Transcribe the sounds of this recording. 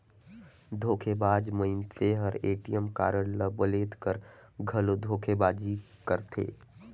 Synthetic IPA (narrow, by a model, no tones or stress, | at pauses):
d̪ʱoːkʰebaːd͡ʒməɪnt̪ʰeɦɐɾeːʈijəmka̰ːɾəɽləbəleːt̪kəɾɡʱɐlod̪ʱoːkʰebaːd͡ʒi | kəɾt̪ʰḛː